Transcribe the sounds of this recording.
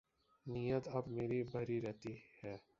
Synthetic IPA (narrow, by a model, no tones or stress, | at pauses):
nijət̪ɐbmeːɾibʱɐɾiɾɛɦt̪ihɛː